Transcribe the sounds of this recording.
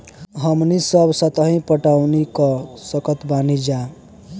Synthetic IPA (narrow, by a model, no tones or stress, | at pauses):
ɦəmnisʌbsət̪əɦĩpəʈawnikʌsʌkʌt̪banid͡ʒa